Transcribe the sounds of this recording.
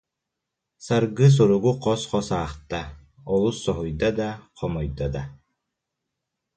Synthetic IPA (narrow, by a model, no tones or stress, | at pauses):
saɾɡɯs̬uɾuɡuqʰɔsqɔsaːχt̪a | ɔlˠusːɔɦujd̪ad̪aqʰɔmɔjd̪ad̪a